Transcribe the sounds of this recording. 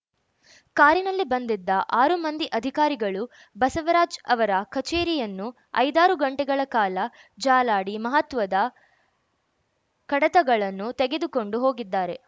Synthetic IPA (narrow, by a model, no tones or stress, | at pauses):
kaːɾinɐlːibɐnd̪id̪ːɐʔaːɾumɐnd̪iʔɐd̪ʱikaːɾiɡɐɭu | bɐsɐʋɐɾaːd͡ʒɐʋɐɾɐkʰɐt͡ʃeːɾijɐnːu | ɐ̰jd̪aːɾuɡɐɳʈɛɡɐɭɐkaːlɐ | d͡ʒaːlaːɽimɐɦɐt̪ʋɐd̪ɐ | kɐɽɐt̪ɐɡɐɭɐnːut̪eɡe̞d̪uko̞ɳɖuɦo̞ːɡid̪ːaːɾe̞